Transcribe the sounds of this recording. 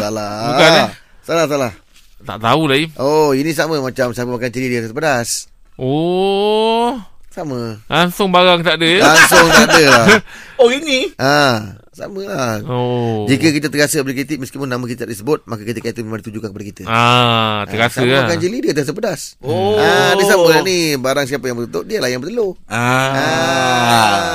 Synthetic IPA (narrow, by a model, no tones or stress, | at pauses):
salaukan | salahsalah | t̪a̰ʔt̪aulaiʔoinis̬aməmat͡ʃamsəapəmakant͡ʃəlidət̪səpədas | o | saməlaŋsʊŋbaɾaŋt̪aʔdəlaŋsʊŋt̪aʔdəlaoiniʔa | sa̰məlahd͡ʒikəkit̪̬ət̪əɡasəblekɾit̪ik̚məskipunamə̃kit̪t̪aʔdisəbʊt̪̚makəkit̪ikːt̪umemaŋdit̪ud͡ʒukankəpadakit̪əaəɡasəakant͡ʃəlidiət̪əas̬əpədasoadisaməlanibaɾaŋsiapəjaŋmbət̪ut̪oʔdiəlahjaŋbət̪əlo | aa